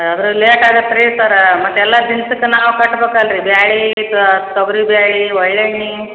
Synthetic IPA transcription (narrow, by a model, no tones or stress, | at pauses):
ɐd̪ɐɾuleːʈaːd̪ɐpɾet̪ɐɾemɐt̪ːɛlːɐd̪insɐkːenaːʋwukɐʈːbeːkalɾibjaːɭiːt̪at̪ɐɡɾibjaːɭiʋɐɭːeɳːi